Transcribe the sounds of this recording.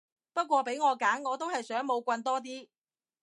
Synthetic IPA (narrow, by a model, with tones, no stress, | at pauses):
pɐ˥t̚kʷɔː˧pe˨˥jŋɔː˨˧kaː˨˥nŋɔː˨˧t̪o˥whɐ˨jsœː˨˥ŋmo˨˧wkʷɐ˧nt̪̬ɔː˥t̪̬iː˥